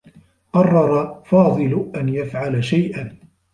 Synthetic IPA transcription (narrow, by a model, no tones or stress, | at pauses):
qɑrˤːɑɾˤɑfɑːðˤɨlʊʔanjafʕalaʃajʔan